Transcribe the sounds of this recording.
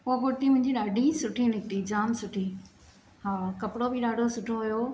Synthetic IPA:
ʊaɡʊɽt̪imʊ̃ɦɪ̃ɲd͡ʑiɗaːɖʱisʊʈʰinɪkt̪id͡ʑaːmsʊʈʰi | haːkɐpɽobɪɗaːɖʱosʊʈʰoɦʊjoː

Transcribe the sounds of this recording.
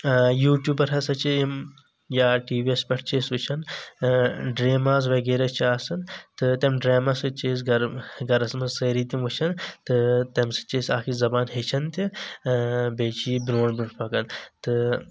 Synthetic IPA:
juːʈjuːbɐɾɦɐsɐt͡ʃʰiim | jaːʈiːʋiespʲɐʈʰt͡ʃʰeːsut͡ʃʰɐn | ɖɾeːmaːz̬ʋɐɡeːɾɐt͡ʃʰiaːsɐnt̪ɨt̪emɖɾeːmasɨt͡ʃʰeːs̬ɡɐɾɡɐɾɐsmɐzsɐːɾiːt̪ʲimʋɐt͡ʃʰɐnt̪ɨt̪ɐmsɨ̥t͡ʃeːsʲaːkʰizɐbaːnɦet͡ʃʰɐnt̪ʲi | beːt͡ʃʰiːbɾoːɳbuʈpɐkɐnt̪ɨ

